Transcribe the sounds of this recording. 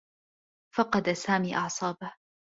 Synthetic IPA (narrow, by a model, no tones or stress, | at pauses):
fɑqɑd̪asaːmiːʔɑʕsˤɑːbah